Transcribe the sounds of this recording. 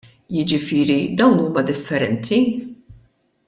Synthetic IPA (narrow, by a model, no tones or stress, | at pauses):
jɪd͡ʒɪfɪːɾid̪ɐwnuːmɐd̪ɪfːɛɾɛnt̪ʰi